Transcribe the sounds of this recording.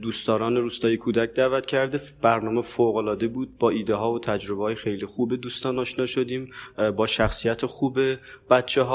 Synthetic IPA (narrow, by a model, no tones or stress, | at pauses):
d̪uːst̪ɒːɾɒːneɾuːst̪ɒːjekʰuːd̪æc̚ʰd̪æːvæt̪cʰæɾd̪eb̥æɾnɒːmefoɣolɒːd̪e̞buːd̪̚bɒːiːd̪eɦɒːvot̪ʰæd͡ʒɾo̞beɒːjexejlixuːbed̪uːst̪ɒːnɒːʃnɒːʃo̞d̪iːmbɒːʃæxsijæt̪ʰexuːbeb̥æt̪t͡ʃʰeɦɒː